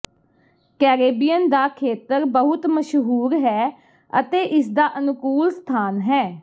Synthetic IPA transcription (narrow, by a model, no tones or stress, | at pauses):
kɛːɾeːbijənd̪aːkʰeːt̪əɾbəɦʊt̪məʃɦuːɾɦɛː | ə̰t̪eːʔɪsd̪aːʔənʊkuːlst̪ʰaːnɦɛː